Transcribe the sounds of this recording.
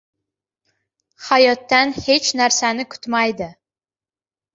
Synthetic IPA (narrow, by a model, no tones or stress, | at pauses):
hajɒt̪ːanhet͡ʃnæɾsanɪkʰʊ̥t̪majd̪ɪ